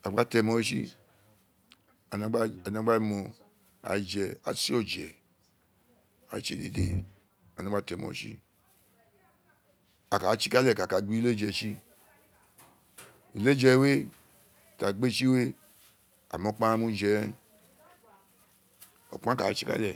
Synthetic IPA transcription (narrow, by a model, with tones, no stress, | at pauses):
a˨ɡ͡ba˦tɛ˧˨mo˧˦ʃi˦ | a˨na˨˦ɡ͡ba˦a˨n˨a˨˦ɡ͡ba˦mɔ˨ | a̰˨d͡ʒɛ˨a̰˨si˦o˦d͡ʒɛ˨ | a̰˨˦t͡ʃe˨dḛ˨dḛ˨ | a˨nã˨˦a˦tɛ˨mo̰˨ʃḭ˦ | a˨ka˨˦t͡ʃi˦ka˦lɛ˨ka˨ka˨ɡ͡bi˦le˦d͡ʒɛ˧˨ʃi˦ | i˨le˦d͡ʒɛ˧˨we˦˨ | ta˨ɡ͡be˦ʃi˦we˦ | a̰˨mo˨˦k͡pã˦mũ˧d͡ʒɛ˨˦ | o̰˨k͡pã˦ka˨˦t͡ʃi˦ka̰˦lɛ˨